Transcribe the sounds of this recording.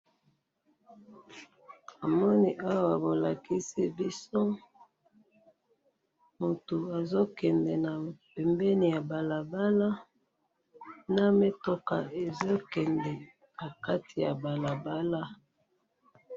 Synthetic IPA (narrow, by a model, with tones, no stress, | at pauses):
a˨mɔ˦ni˦ʔa˦wa˨bo˨la˨ki˦si˦bi˦so˦ | mo˨to˨a˨zo˦kɛ˨ndɛ˨na˨pɛ˨mbɛ˦ni˨ja˨ba˨la˨ba˦la˦ | na˦me˦to˦ka̰˨e˨zo˦kɛ˨ndɛ˨ | na˨ka˦ti˨ja̰˨ba˨la˨ba˦la˦